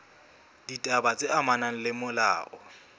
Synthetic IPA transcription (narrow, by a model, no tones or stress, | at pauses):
ditʼabat͡sʼɪʔamanaŋ̩lɪmʊla̰ːʔɔ